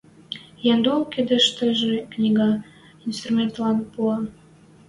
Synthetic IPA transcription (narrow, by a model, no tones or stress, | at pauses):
jɑnd̪olked̪ə̆ʃt̪ə̆ʒĕknʲiɡɑ | inst̪rumʲent̪lɑnpuɑ